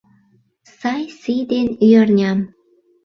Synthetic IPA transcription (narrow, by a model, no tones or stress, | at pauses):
sɑjsijd̪enyjɑrnʲɑm